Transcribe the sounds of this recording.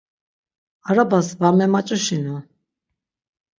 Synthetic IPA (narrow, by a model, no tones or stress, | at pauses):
aɾabasvamɛmat͡ʃʼuʃinu